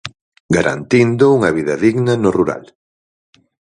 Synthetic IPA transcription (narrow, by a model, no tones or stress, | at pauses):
ɡaɾʔa̰nt̪ind̪ʊuŋɐβiðɐðiɣnɐnoruɾa̰l